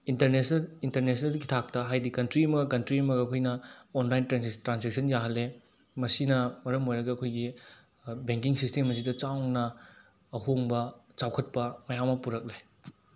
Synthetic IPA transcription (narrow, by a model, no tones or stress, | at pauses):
intɐɾnesintɐɾnes̬nɐlkitʰak̚tɐɦajdikɐntɾiɐmɐɡɐkɐntɾiɐmɐɡɐːkʰojnɐonlajntɾetɾansek̚sʰɐnjaɦɐlːe | mɐsinɐmɐɾɐmojɾɐɡɐɐkʰojɡi | beŋkiŋsistemɐs̬idɐt͡ʃawnɐ | ɐɦoŋbɐt͡ʃawkʰɐt̚pɐmɐjamɐpuɾɐk̚le